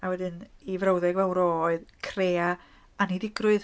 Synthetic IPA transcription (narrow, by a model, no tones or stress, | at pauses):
awɛdɨnivɾawðɛɡvɛwɾɔːɨðkʰreːa | aniðɪɡrʊɨð